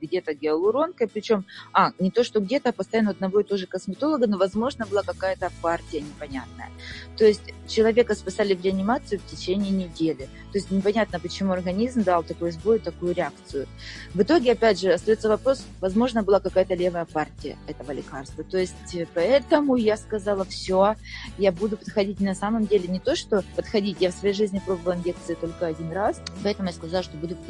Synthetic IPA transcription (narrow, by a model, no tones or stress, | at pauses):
ɡdʲe̞t̪əɡʲɪɐlˠʊɾo̞nkəjpɾʲɪt͡ɕo̞manʲɪt̪o̞ʂt̪o̞ɡdʲe̞t̪əpəst̪ɐjanɐd̪nɐvo̞ɪt̪o̞ʐɨkəsmʲɪt̪o̞lˠəɡəno̞vɐzmo̞ʐnəbɨlˠakɐkajət̪əpartʲɪjənʲɪpɐnʲat̪̚nə̰jə̰t̪o̞jɪsʲtʲt͡ɕɪlˠɐvʲe̞kəspɪsalʲɪvɾʲɪɐnʲɪmat̪sɨjʊftʲɪt͡ɕenʲɪːnʲɪdʲelʲɪ | t̪o̞ɪsʲtʲnʲɪpɐnʲat̪nəpət͡ɕɪmuɐrɡɐnʲizmd̪alˠt̪ɐkojʊzbo̞jʊt̪ɐkujʊɾʲɪak̚t̪sɨjʊ | vɨt̪o̞ɡʲɪɐpʲædʲʐɨɐst̪ɐjo̞t̪səvɐpɾo̞s | vɐzmo̞ʐnəbɨlˠakɐkajət̪əlʲe̞vəjəpartʲɪjə̰ɛt̪əvəlʲɪkarst̪vət̪o̞ɪsʲtʲpɐɛt̪əmʊjaskɐzalˠəfsʲojabud̪ʊpət̪xɐdʲitʲnɐsaməmdʲelʲɪnʲɪt̪o̞ʂt̪o̞pət̪xɐdʲitʲjafsvɐjejʐɨzʲnʲɪpɾo̞bəvəlˠɨɪnʲek̚t̪sɨɪt̪o̞lʲkəɐdʲinraspɐɛt̪əmʊjaskɐzalˠəʂt̪obud̪ʊt̪